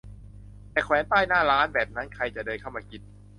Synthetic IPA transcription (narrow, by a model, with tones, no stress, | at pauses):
t̪ɛː˨˩kʰwɛː˩˦nt̪aː˥˩jnaː˥˩ɾaː˦˥nbɛː˨˩p̚na˦˥nkʰa˧jt͡ɕa˨˩dɤː˧nkʰa˥˩wmaː˧ki˨˩t̪̚